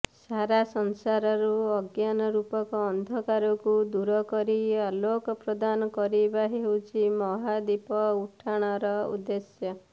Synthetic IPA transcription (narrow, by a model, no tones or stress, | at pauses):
saɾasɔnsaɾɔɾuɔɡjanɔɾupɔkɔːnd̪ʱɔkaɾɔkud̪uɾɔkɔɾialokɔpɾɔd̪anɔkɔɾibaɦewt͡ʃʰimɔɦad̪ipɔuʈʰaɽ̃ɔɾɔṵd̪esjɔ